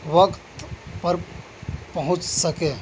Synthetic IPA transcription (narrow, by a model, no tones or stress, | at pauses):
ʋəkt̪pəɾ | pəɦũt͡ʃsəke